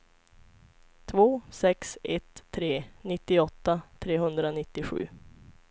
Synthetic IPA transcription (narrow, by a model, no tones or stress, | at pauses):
t̪ʰvoːsɛksʔɛt̪ʰːɾeːnɪt̪ːɪɔt̪ːat̪ʰɾeːɦɵnd̪ɾanɪt̪ːɪɧʉ̟̰ː